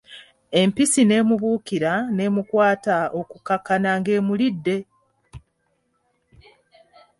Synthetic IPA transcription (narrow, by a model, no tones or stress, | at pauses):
e̞mpisine̞ːmuβuːkiɾane̞ːmukwaːtao̞kukakanaŋɡe̞ːmulidːe̞